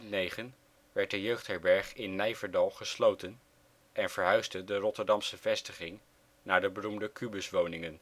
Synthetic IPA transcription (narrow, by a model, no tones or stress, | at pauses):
nejχən | ʋɛɹt̚dəjøɥχtɦɛɹbɛɹχɪnːɛjvəɹdɑlˠχəslowtən | ʔɛnv̥əɹɦœɥzdədərɔtəɹdɑmsəv̥ɛstəχɪŋ | naːɹdəbərumdəkybʏsʋownɪŋən